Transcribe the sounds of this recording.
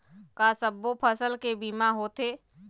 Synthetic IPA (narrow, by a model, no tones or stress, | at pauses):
kasəbːopʰəsəlkebiːmaɦot̪eː